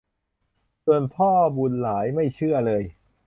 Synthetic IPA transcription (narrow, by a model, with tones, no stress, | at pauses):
su˧ənpʰɔː˥˩bu˨˧˩nlaː˩˦jma˥˩jt͡ɕʰɯ˥˩ɐlɤː˧j